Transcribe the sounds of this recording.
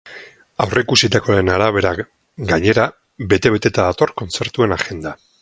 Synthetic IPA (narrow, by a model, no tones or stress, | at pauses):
awrʔeikusit̪ako̞enaɾaβe̞ɾa | ɡaɲe̞ɾa | be̞t̪e̞βe̞t̪e̞t̪aðat̪o̞rko̞nt͡se̞ɾt̪ue̞naɣe̞nd̪a